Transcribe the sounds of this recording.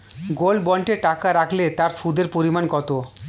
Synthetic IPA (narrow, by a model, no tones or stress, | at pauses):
ɡolbɔɳʈeʈakaɾakʰlet̪aɾskud̪ʱeɾpoɾimankɔt̪o